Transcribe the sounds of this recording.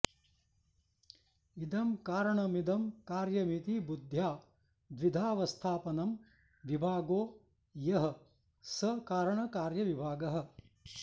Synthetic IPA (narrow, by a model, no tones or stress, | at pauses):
id̪ɐmkaːɾɐɳɐmid̪ɐmkaːɾjɐmit̪ibud̪ʱjaː | d̪ʋid̪ʱaːʋɐst̪ʰaːpɐnɐm | ʋibʱaːɡoː | jɐɦɐ̆ | sɐkaːɾɐɳɐkaːɾjɐʋibʱaːɡɐɦɐ̆